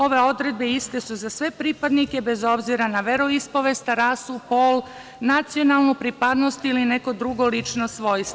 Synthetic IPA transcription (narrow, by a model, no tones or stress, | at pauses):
o̞ʋe̞o̞d̪ɾe̞d̪̚be̞ist̪e̞suzasʋe̞pɾipad̪nike̞be̞zo̞bziɾanaʋeɾoispo̞ʋe̞st̪aɾaːsupoːl | nat̪sio̞nalˠnopɾipad̪no̞st̪iline̞ko̞d̪ɾuɡo̞lit͡ʃnosʋo̞jst̪